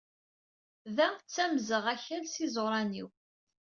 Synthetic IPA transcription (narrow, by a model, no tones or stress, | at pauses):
ðæt͡sːæmzəʁæçælsizɾˤɑnḭw